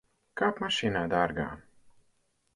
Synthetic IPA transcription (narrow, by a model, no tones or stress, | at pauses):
kaːpmaʃiːnaːd̪aɾɡa̰ː